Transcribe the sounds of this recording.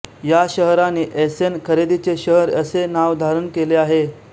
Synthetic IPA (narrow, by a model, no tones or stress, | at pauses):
jaɕəɦɾanːiːʔesenkʰəɾed̪it͡seɕəɦəɾəsenaʋd̪ʱaɾənkeleaɦe